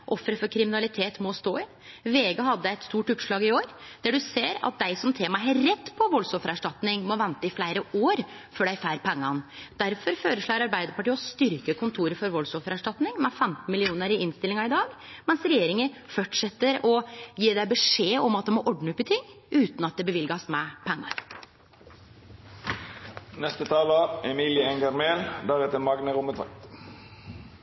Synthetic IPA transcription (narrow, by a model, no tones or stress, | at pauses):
ʔɔfːɾəfɔɾkʰɾɪmɪnɑlɪt̪ʰeːt̪mɔst̪oːɪ | ʋeːɡɑhɑd̪ːəɛɪt̪st̪uːʈʊpʂɭɑːɡɪoːɾd̪̥æɖʉseːɾɑ̰t̪̚d̪æɪsɔmt̪ʰeːmɑæɾɛt̪ːpʰɔʋɔlsɔfəɾæʂʈɑt̪nɪŋmɔʋɛnt̪əɪflæɪɾəoːɾ | fɔɖæɪfæːɾpʰɛŋːənd̪̥æɾfɔɾføːɾəʂɭɑːɡəɾɑɾbæɪd̪əɾpɑʈiːəɔst̪ʏɾkəkʰʊnt̪ʰuːɾəfɔɾʋɔlsɔfəɾæʂʈɑt̪nɪŋmɛfɛmt̪n̩mɪlɪuːnəɾɪɪnst̪ɪlːɪŋɑɾɪd̪ɑːɡmɛnsɾɛjeːɾɪŋəfɔʈʂɛt̪ːəɾɔjiːd̪æɪbəʂeːɔmɑt̪̚d̪ɛmɔʔɔɖɳ̩əʉpːɪt̪ʰɪŋ | ʉːt̪nɑt̪̚d̪ɛbəʋɪlɡɑsmɛpʰɛŋːɑ̰ɾ | nɛst̪ət̪ʰɑːləɛmiːljəɛŋɡəʁmeːld̪æʁɛt̪əmɑɡnəʁʊmət̪ʰʋɑ̰t̪